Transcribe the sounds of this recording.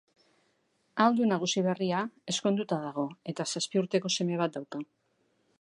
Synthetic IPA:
ald̪unaɣ̞usiβ̞e̞riae̞sko̞nd̪ut̪aðaɣ̞o̞e̞t̪asaspiuɾt̪e̞ko̞se̞me̞β̞at̪̚d̪awka

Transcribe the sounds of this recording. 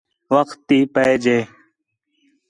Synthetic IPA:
ʋəkt̪ːiːpəeːd͡ʒeː

